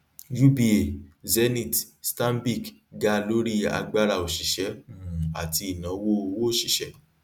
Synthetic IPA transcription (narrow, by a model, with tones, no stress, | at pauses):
ju˦bi˧˦e˨zɛ˦nĩ˨t | stã˦n˦bi˦˨kɡa˧˦lo˦ɾi˦a̰˧ɡ͡ba˦ɾa˧˨o˨ʃi˨ʃɛ̃˨˦˨a̰˨ti˧i˨nã˨˦wo˦o˧wo˦o˦˨ʃi˨ʃɛ˨˦